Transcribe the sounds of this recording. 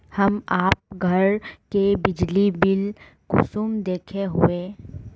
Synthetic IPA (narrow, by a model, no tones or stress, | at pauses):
hɐmaːp̚ɡʱɐɾkebɪd͡ʒlibɪl | kʊ̰suːmd̪eːkʰeɦueː